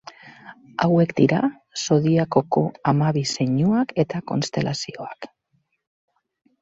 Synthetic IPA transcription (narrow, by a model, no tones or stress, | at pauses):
awe̞kd̪iɾa̰ | so̞ðiako̞ko̞amaβise̞ɲuake̞t̪ako̞̰nst̪e̞lʔasio̞ak